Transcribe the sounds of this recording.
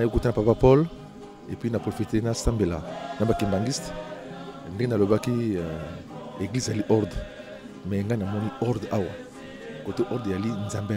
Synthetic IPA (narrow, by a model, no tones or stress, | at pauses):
nakutanapapapɔl | epɥinapχofitenasãmbelanabakembãŋɡist | ndeɡenalobaki | eɡlizzaliʔɔʁd̪ | mɛŋɡanamɔniɔʁd̪awa̰ | kotoʔɔʁd̪ezalinzambe